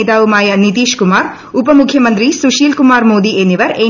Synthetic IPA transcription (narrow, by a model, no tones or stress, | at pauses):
t̪aːumaːjɐnit̪iːʃkumaːɾ | upɐmukʰjɐmɐnt̪ɾisuʃiːlkumaːɾmoːd̪iʔeːniʋɐɾeː